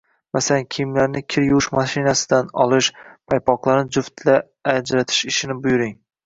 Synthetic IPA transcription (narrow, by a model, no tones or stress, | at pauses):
masalankʲʰijɪmlaɾnɪkʲʰɪɾjʊwɪʃmaʃɪnasɪ̥d̪anɒ̰lˠɪʃpʰajpʰɒqlˠaɾnɪd͡ʒʊft̪ʰlaː | d͡ʒɾat̪ʰɪ̥ʃɪʃɪnɪbʊjʊɾɪŋ